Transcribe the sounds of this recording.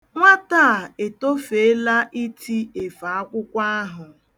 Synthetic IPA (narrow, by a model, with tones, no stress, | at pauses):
ŋʷa˦ta˦˨e˨to˦fe˨e˦la˦ʔi˦ti˦e˨fa˨a˦kʷʊ˦kʷa˦a˦ɦʊ˨